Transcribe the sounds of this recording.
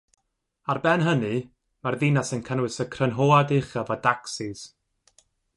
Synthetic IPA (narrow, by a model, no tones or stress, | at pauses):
arbɛnɦənɨ | marðinasənkʰənwɪsəkʰrənɦoːadɪχəvɔdaksɪz̥